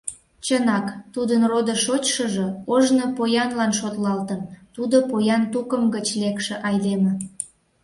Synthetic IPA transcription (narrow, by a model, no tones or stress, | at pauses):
t͡ɕənɑkt̪ud̪ənrod̪əʃot͡ɕʃəʒəoʒnopojɑnlɑnʃot̪lɑlt̪ənt̪ud̪opojɑnt̪ukəmɡət͡ɕlekʃĕʔɑjlemə̆